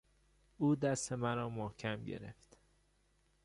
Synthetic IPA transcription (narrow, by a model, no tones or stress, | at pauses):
uːd̪æst̪e̞mæɾɒːmohcʰæmɟḛɾḛft̪